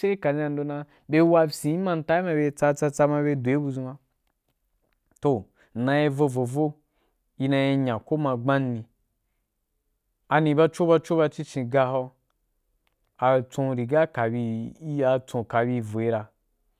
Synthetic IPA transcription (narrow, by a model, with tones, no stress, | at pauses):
e˦i˦ka˨d͡ʒĩ˦a˧n̩˦do˧nã˧ | be˦wa˧sĩ˨˦i˦mã˧n̩˨˦ta˦i˦mã˧be˧t͡sa˧t͡sa˧t͡sa˧ma˧be˧do˨e˦bu˧zũ˧ma˧ | to˨ | nã˧je˧vo˧vo˨vo˦ | i˧na˧je˧ɲã˨ko˦mã˧ɡ͡bã˦n˦nĩ˧ | a˧nĩ˧ba˦t͡ʃo˦ba˧t͡ʃo˦ba˧t͡ʃi˦t͡ʃĩ˧ɡa˧ɦɔ˧ | a˨t͡sõ˧ɾi˨ɡa˦ka˨bi˧i˦a˧t͡sõ˧ka˨bi˧˨vo˨i˦ɾa˧